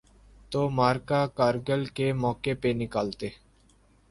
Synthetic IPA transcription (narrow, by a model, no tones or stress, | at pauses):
t̪oːmaːɾkaːkaːɾɡəlkeːmɔːkeːpeːnɪkaːlt̪eː